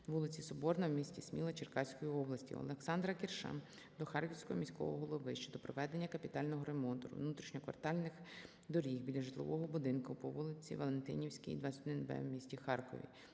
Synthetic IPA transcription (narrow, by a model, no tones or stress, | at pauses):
ʋulˠɪt͡sʲisɔbɔrnɐwmʲisʲtʲismʲilˠɐt͡ʃɪrkɑsʲkɔjiɔblˠɐsʲtʲḭɔ̰lˠeksɑnd̪ɾɐkʲirʃa̰ | d̪ɔxɑrkʲiwsʲkɔɦɔmʲisʲkɔ̰ʋɔ̰ɦɔlˠɔʋɪʃt͡ʃɔd̪ɔpɾɔʋɛd̪enʲːɐkɐpʲit̪ɑlʲnɔɦɔɾemɔnt̪ɔɾʊ̰wnut̪ɾʲiʃɲʲɔkʋɐ̰rt̪ɑlʲnɪx | d̪ɔɾʲixbʲidlʲːɐʒɪt̪lˠɪ̰ʋʔɔɦɔbʊd̪ɪnkʊpɔʋulˠɪt͡sʲḭʋɐlˠe̞nt̪ɪ̰nʲiwsʲkʲḭjd̪ʋɑt͡sʲsʲt̪ʲɔd̪ɪnbɛ̰wmʲisʲtʲixɑrkɔ̰ʋʲḭ